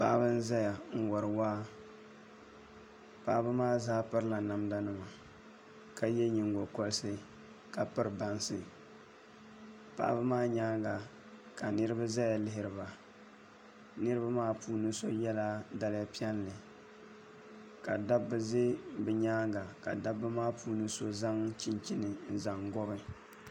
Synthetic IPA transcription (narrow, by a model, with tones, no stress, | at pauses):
pa̰ː˦bɨ˦n̩˦za˦ja˨ŋ̩˦wɔ˨ɾɨ˨waː˦ | pa̰ː˦bɨ˦maː˦zaː˦pɨ˦ɾɨ˦la˨na˨mda˦nɨ˦ma˨ | ka˨jɛ˦ɲi˨ŋɡo˨ko˦lsɨ˦ | ka˨pɨ˦ɾɨ˨ba˦nsɨ˨ | pa̰˦bɨ˦maː˦ɲaː˦ŋɡa˨ | ka˨nɨ˦ɾɨ˦ba˦za˦ja˨lɪ˦ɦɪ˨ɾɨ˨ba˨ | nɨ˦ɾɨ˦ba˦maː˦puː˦nɨ˦so˦jɛ˦la˦da˦la˦pi˦ɛ˦nlɨ˨ | ka˨da˦bːɨ˦ze˦bɨ˨ɲaː˦ŋɡa˨ka̰˨da˦bːɨ˦maː˦pʰuː˦nɨ˦so˦za˦ŋt͡ʃɪ˦nt͡ʃi˦nɨ˨n̩˨za˨ŋɡɔ˦bɨ˦